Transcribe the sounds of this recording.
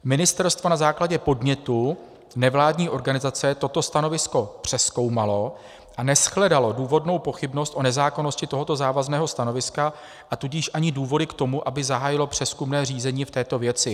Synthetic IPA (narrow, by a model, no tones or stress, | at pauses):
mɪnɪst̪ɛɾst̪vo̞nazaːklaɟɛpo̞dmɲɛt̪u | nɛvlaːdɲiːʔo̞ɾɡanɪzat͡sɛt̪o̞t̪o̞st̪ano̞vɪsko̞pr̝̥ɛsko̞wmalo̞ | ʔanɛsxlɛdalo̞duːvo̞dno̞wpo̞xɪbno̞st̪ʔo̞nɛzaːko̞noscɪt̪o̞ɦo̞t̪o̞zaːvaznɛːɦo̞st̪ano̞vɪska | ʔat̪uɟiːʃʔaɲɪduːvo̞dɪkt̪o̞muʔabɪzaɦaːjɪlo̞pr̝̥ɛskumnɛːr̝iːzɛɲiːft̪ɛːt̪o̞vjɛt͡sɪ